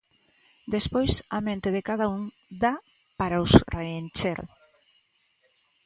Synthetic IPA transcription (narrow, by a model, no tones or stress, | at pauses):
d̪espojsamẽnt̪eðekaðauŋ | d̪a | paɾausreenʲt͡ʃeɾ